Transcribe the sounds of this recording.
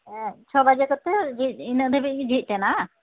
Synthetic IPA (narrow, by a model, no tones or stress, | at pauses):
t͡ʃʰɔbad͡ʒakɔt̪ɛd͡ʒit̪̚inəd̪ʱɛbid͡ʒʱit̪̚ˀtɛna